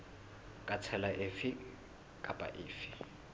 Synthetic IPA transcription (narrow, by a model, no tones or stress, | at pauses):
kʼat͡sʰɛlaʔɪfɪ | kʼapʼa̰ʔɪːfɪ̥